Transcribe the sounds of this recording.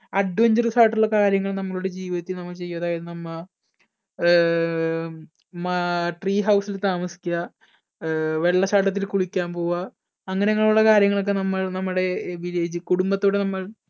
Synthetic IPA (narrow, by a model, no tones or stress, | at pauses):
ɐʈːuɐɲd͡ʑirɨsaːʈːuɭːɐkaːɾjɐŋːɐɭnɐmːɐɭuɽe̞d͡ʑiːʋiðɐt̪ːilnɐmːɐɭt͡ɕe̞jːuɐðaːjɐðɨnɐmːɐ | mɐʈriːɦɐwsilt̪aːmɐsi̥kʲːa | ʋe̞ɭːɐɕaːʈːɐt̪̬ːilkuɭikʲːaːmpo̞ːʋaː | ŋːɐneɐŋːɐɭjuɭːɐkaːɾjɐŋːɐɭo̞kːe̞nɐmːɐɭnɐmːuɽe̞ʋileːd͡ʑɨkuɽumbɐt̪ːoːɽe̞nɐmːɐɭ